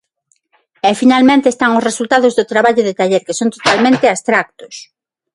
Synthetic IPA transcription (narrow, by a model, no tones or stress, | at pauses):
ɛfinalmẽnt̪eːst̪aŋʊsresult̪aðʊzðʊt̪ɾaβaʎʊðet̪aʎeɾkesont̪o̥t̪almẽnt̪ɪast̪ɾak̚t̪ʊ̥s